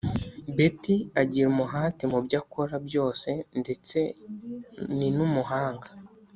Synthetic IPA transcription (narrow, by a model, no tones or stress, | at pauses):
betiaɟiɾumuɦaːtemubɟakoɾabjo̞ːse̞nde̞t͡se̞ | ninumuɦaːŋɡa